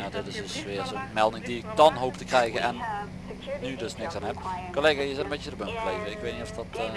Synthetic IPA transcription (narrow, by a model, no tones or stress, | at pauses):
adɔtɪsdəsʋɪːrsotmɛlˠdɪŋdiɪk̚dɑnɦoːptəkrɛjɣəʔɛnː | ydøsnɪksanɦɛpkoleːɣajəzɛtənbet͡ʃədəbømkəleːvəɪkʋeːt̚nitɔfdɑtː